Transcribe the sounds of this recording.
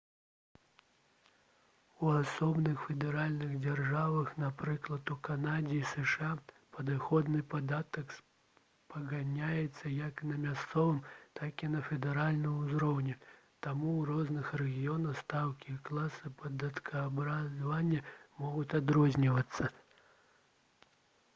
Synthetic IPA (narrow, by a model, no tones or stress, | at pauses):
uasɔbnɨxfʲɛd̪ɛɾalʲnɨɣd͡zʲarʐavɐxnapɾɨklˠɐt̪ukanad͡zʲiːsɛʂa | pɐd̪ɨxɔd̪nɨpad̪at̪ɐks | pɐɣanʲajɛt̪sːɐjɐknɐmʲast̪sɔvɨmt̪akʲinɐfʲɛd̪ɛɾalʲnɨmuzɾɔwnʲɛt̪amurɔznɨxrɛɣʲijɔnɐxst̪awkʲiklˠasɨpɐd̪ɐt̪kʰɐːbɾazvanʲːɐmɔɣut͡s̪ʲad̪ɾɔzʲnʲivɐt̪sːɐ